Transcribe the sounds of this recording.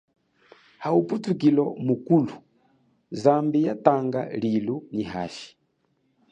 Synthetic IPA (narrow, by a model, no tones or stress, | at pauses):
hauputuk̬ilɔmukulu | zambijataŋɡa̰liluniɦa̰ʃi̥